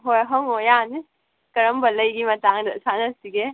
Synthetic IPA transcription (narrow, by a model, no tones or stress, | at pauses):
ɦojɦɔŋojani | kɐɾəmbɐləjɡimɐtaŋdɐsanɐsiɡe